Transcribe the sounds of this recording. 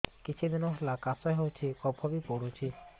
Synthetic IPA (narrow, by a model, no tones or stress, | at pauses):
kit͡ʃʰid̪inɔɦelakasɔjɦowt͡ʃʰikɔbʱɔbipoɽut͡ʃʰi